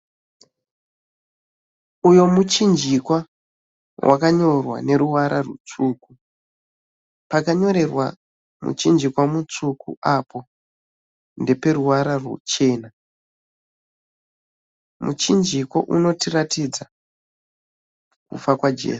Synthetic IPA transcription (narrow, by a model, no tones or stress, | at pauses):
ujo̞mut͡ʃind͡ʒikwa | wʔa̰kaɲo̞rwa̰ne̞ɾuʋaɾarut͡suku | pakaɲo̞ɾe̞rwa̰ | mṵt͡ʃind͡ʒikwamut͡sukṵapo̞ | nde̞pe̞ɾuʋaɾarwṵt͡ʃe̞ːna | mut͡ʃind͡ʒikwo̞̰ʔuno̞tiratid͡za | kṵfakwad͡ʒe̞̰ːs